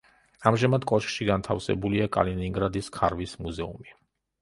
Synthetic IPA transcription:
amʒamad̪kʼɔʃkʃiɡant̪ʰafsɛ̰buliakʼa̰liniŋɡɾad̪iskʰaɾvismuzɛṵmi

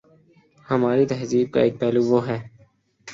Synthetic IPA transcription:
həmaːɾit̪ɛɦziːb̚ka̰ːeːk̚pɛːluʋoːɦɛː

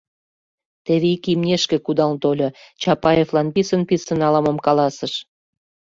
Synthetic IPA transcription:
t̪eβeikimnʲeʃkĕkud̪ɑlt̪olʲot͡ɕɑpɑjeflɑnpisənpisənɑlɑməmkɑlɑsəʃ

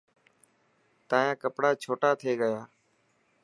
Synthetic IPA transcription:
t̪ãːjãːkəpɽaːt͡ʃʰoːʈaːt̪ʰeːɠəjaː

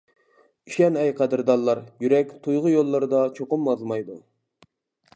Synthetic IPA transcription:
iʃɛnɛjqʰæd̪ɨɾd̪ɑlˠːɑɾjyɾɛk̚ʲt̪ʰujʁʊjolˠːɑɾd̪ɑt͡ʃʰoqʊmɑzmɑjd̪u

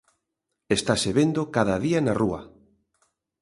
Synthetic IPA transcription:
est̪aseβend̪okaðaðianaruɐ̰

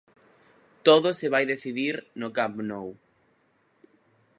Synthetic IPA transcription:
t̪oðʊseβajðeθiðiɾnʊkapnow

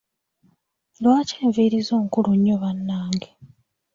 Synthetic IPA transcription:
lwaːceːɱviːɾizo̞ːŋkuluɲːoβanːaːŋɡe

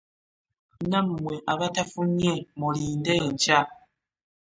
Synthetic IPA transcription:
nammweʔaβatafuɲemoliːndeɲd͡ʒa

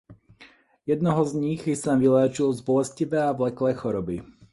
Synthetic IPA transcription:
jɛd̪nɔɦɔzɲiɣsamʋilɛːt͡ʃilzbɔlɛsciʋɛːavlɛklɛːxɔɾɔbi

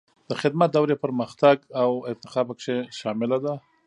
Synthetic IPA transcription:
d̪̥əxɪd̪mat̪̚d̪awɾepəɾməxt̪aɡawɪnt̪ɪ̥xɑbakʃeʃɑmɪlad̪a

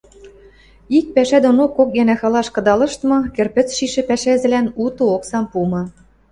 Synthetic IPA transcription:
ik̚pæʃæd̪onokːok̚jænæxɑlɑʃkɤ̆d̪ɑlɤ̆ʃt̪mɤ̆kerpɘ̆t͡sʃiʃĕpæʃæzɘ̆lænut̪ɤoksɑmpumɤ̆

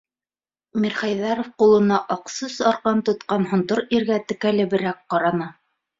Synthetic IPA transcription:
miɾχæjðɑɾofqulˠɤ̆nɑʔɑqsɤsɑɾqɑnt̪ŏt̪qɑnhŏnt̪oɾiɾɡæt̪ɘ̆kælɘ̆bɘ̆ɾæk̚qɑɾɑnɑ

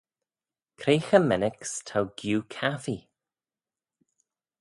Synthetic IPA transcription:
kʰɾeːxəmɛnɪkstʰawɡ̥juːkʰafi

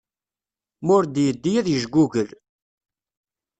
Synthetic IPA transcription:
mʊɾd̪jəd̪ːijæðjəʒɡʷuʝəl

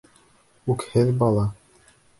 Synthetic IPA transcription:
ʉkhɘðbɑlˠɑ

